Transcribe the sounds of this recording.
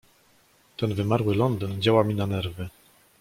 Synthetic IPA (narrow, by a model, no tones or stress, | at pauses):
t̪ɛnvɘmaɾwɘlɔnd̪ɘnd͡ʑawamʲinanɛɾvɘ